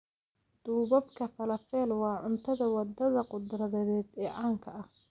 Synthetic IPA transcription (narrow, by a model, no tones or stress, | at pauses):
d̪̥uːβɐbkʰɐfɐlɐfɛːlwɑːʕʊnt̪ʰɐðɐwɑd̪ɐðɐqʊd̪rɐðɛðɛːd̪ɛːʕaːŋkʰɐʔɐh